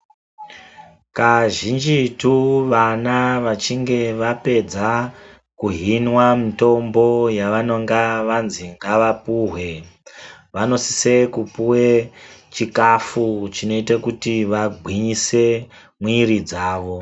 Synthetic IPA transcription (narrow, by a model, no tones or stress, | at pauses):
kaʒind͡ʒituʋanaʋat͡ʃiŋɡe̞ʋape̞d͡za | kuɦinwamito̞mbo̞jaʋano̞ŋɡaʋanziŋɡaʋapuɦwe̞ | ʋano̞si̥se̞kupuwet͡ʃikafut͡ʃino̞itakutiʋaɡʱwiɲise̞ | mwirid͡zaːʋo̞